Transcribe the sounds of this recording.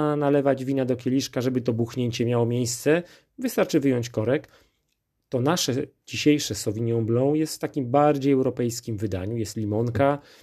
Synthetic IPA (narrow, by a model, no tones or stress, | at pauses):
nalɛvad͡ʑvʲinad̪ɔkʲɛlʲiʂkaʐɛbɘt̪ɔbuxɲeɲt͡ɕɛmʲjawɔmʲjejst̪sɛ | vɘst̪aɾt͡ʂɘvɘjɔɲt͡ɕkɔɾɛk | t̪ɔnaʂɛd͡ʑiɕejʂɛsɔvʲiɲjɔ̃blɔ̃jɛst̪ft̪akʲimbaɾd͡ʑejɛwɾɔpɛjskʲimvɘd̪a̰ɲujɛst̪lʲimɔŋka